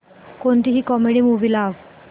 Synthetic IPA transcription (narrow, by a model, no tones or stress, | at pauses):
koɳt̪iɦiːkɔmeɽiːmuʋilaʋ